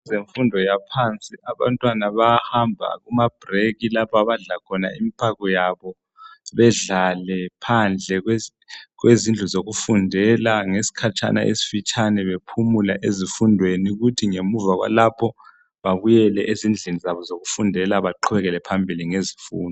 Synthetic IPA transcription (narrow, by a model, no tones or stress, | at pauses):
zeɱfundʱɔjapʰant͡sʼiaβa̰ntʼwanaβahambʱa̰ɣumab̥reɣilapʰaβaɮakʰɔna̰imipʰaɣɔjaβɔ | βɛɮalɛpʰand͡ɮʱɛɣwe | ɣwezind͡ɮʱuzoɣufundʱɛlaŋesi̥kʰat͡ʃʰʼa̰na̰ʔḛsi̥fit͡ʃʼanɛβepʰumulaʔezifundʱweniuɣutʰiŋemuvaɣwa̰lapʰɔ | βaβujɛlɛʔezind͡ɮʱenizaβɔzoɣufundʱɛlaβaǃʰuβɛɣɛlɛpʰambʱiliŋezifṵːndʱɔ